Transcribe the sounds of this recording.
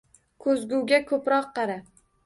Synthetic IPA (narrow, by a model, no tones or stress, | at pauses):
kʰɵzɡʲuwɡʲakʰɵpɾɒqːɑɾa